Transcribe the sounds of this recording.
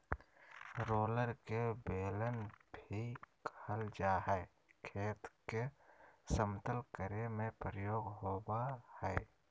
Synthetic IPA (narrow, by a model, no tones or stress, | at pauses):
ɾoːləɾkebeːlənbʱikhəld͡ʒaːɦɛː | kʰeːt̪kesəmt̪əlkəɾemẽpɾəjoːɡɦoːbahɛː